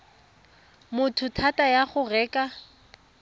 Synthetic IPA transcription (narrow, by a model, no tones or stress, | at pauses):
mʊtʰʊtʰatʼajaχʊrɛːkʼa